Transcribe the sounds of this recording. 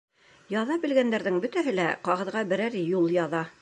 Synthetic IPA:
jɑðɑbɘ̆lɡænd̪æɾðɘŋbɵ̆t̪æɦɘlæqɑʁɤ̆ðʁɑbɘ̆ɾæɾjulˠjɑðɑ

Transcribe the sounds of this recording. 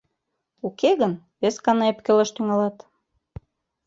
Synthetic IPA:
ukeɣən | βeskɑnɑepkelɑʃt̪yŋɑlɑt̪

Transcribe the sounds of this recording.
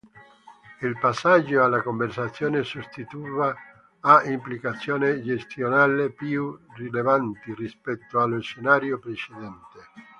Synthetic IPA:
ilpasːad͡ʒːoalːakoɱversat̪sːjoːnesust̪it̪uiːvaː | ʔimplikat̪sːjoːned͡ʒest̪jonaːlepjurilevant̪irispɛt̪ːoalːoʃenaːɾjopɾet͡ʃed̪ɛnt̪e

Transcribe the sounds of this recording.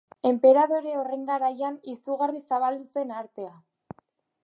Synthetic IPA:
e̞mpe̞ɾaðo̞ɾe̞ore̞ŋɡaɾajanisuɣarisaβ̞ald̪use̞naɾt̪e̞a

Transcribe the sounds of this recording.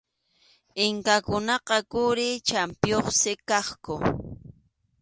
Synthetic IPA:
ɪŋkakʊnɑqɑkʊɾɪt͡ʃampjoχsɪkɑχkʊ

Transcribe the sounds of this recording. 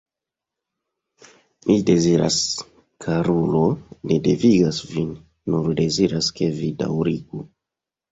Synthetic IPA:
mʔide̞ziɾa̰s | kʰaɾulonedeviɡasvinː | uɾde̞ziɾaske̞vida̰wɾiɡu

